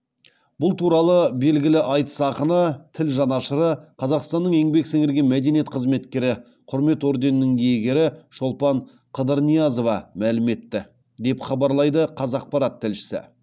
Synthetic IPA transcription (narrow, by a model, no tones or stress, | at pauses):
bʊlˠt̪ʰuɾɑlˠəbe̞lɡʲɪlɪʔɑjt̪ə̥sɑqənət̪ʰɪlʒɑnɑʃəɾəqʰɑzɑqst̪ɑnːəɴe̞ŋbe̞kseŋɪɾɡʲe̞nmæd̪e̞nijet̪qʰəzme̞t̪kʲe̞ɾɪ | qʰʊɾme̞t̪o̞ɾd̪e̞nːɪŋe̞ɡʲe̞ɾɪʃo̞lˠpɑɴ | qʰəd̪əɾnijɑzo̞vɑmælɪme̞t̪ːɪ | d̪e̞pχɑbɑɾlˠɑjd̪əqʰɑzɑq̚pɑɾɑt̪ʰːɪlʃɪ̥sɪ̰